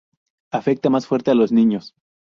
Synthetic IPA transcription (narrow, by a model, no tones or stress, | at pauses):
afek̚t̪amasfwe̞ɾt̪e̞alo̞znĩɲo̞s